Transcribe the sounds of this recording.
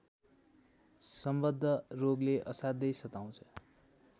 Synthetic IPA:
sʌmbʌd̪ʱːʌroɡleʔʌsad̪ʌjsʌt̪aw̃t͡sʰʌ̥

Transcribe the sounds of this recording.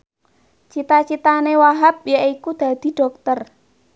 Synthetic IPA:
t͡ʃit̪at͡ʃit̪anewaɦap̚jaʔikud̪̥a̤d̪̥i̤ɖ̥ɔ̤k̚t̪ər

